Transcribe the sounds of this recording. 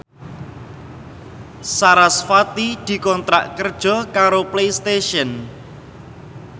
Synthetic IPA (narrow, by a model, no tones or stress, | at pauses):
saɾasfat̪id̪̥i̤kɔnt̪ɾa̰ʔkərd̥ʒ̥ɔ̤kaɾoplejst̪eʃən